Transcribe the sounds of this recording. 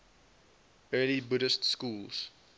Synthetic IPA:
ɜːlibʊɾəstskuːlz̥

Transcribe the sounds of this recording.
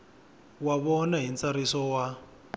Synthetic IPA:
waβɔnaɦint͡saɾisɔwa

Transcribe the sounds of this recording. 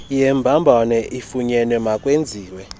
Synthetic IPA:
jɛmbʱambʱɔnɛʔifuɲɛnwɛmakʼwend͡zʱiːwɛ

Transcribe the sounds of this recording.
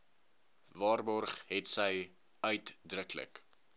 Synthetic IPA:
vɑːrbɔrχɦɛtsəj | œɥtdrəklə̰k

